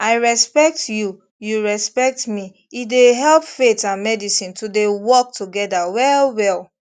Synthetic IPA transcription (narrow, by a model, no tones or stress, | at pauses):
aɪɹɛspɛk̚tju | juɹɛspɛk̚tmi | ideɦɛlˠpfetãnmɛdisĩntudewɔk̚tʰuɡɛdawɛlwɛl